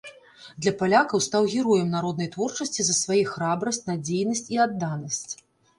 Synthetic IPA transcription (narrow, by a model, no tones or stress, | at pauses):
d̪lʲɐpalʲakɐwst̪awɣʲɛɾɔjɛmnaɾɔd̪nɐjt̪vɔrt͡ʂɐsʲt͡sʲizɐsvajixɾabɾɐsʲt͡sʲnad͡zʲejnɐsʲt͡sʲiad̪ːanɐsʲt͡sʲ